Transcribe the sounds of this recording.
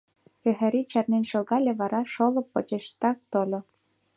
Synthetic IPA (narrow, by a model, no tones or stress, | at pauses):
kĕɦæɾit͡ɕɑrnenʲʃoɣɑlʲeβɑɾɑʃolɤ̆pːŏt͡ɕeʃt̪ɑk̚t̪olʲo